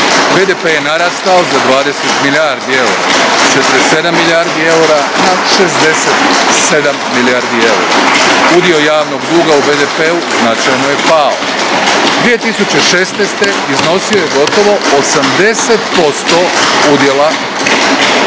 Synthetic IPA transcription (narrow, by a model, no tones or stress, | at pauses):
bed̪epejenaɾast̪aozad̪ʋaːd̪eset̪miljaɾd̪ie̞̰ɾa̰t͡ʃet̪ɾese̞d̪amːiljaɾd̪ie̞uɾanaʃe̞zd̪e̞set̪se̞d̪amːiljaɾd̪ie̞uɾa̰ud̪io̞jaːʋno̞ɡd̪uːɡaubeːd̪epeuznat͡ʃajnoje̞pao̰ | d̪ʋije̞t̪isut͡ɕe̞ʃeːst̪nejst̪e̞ | izno̞siojeɡo̞t̪o̞ʋo̞osamd̪e̞set̪po̞st̪oud̪je̞la